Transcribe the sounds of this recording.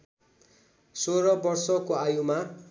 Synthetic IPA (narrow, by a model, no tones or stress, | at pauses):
soɾʌbʌrsʌkoajuma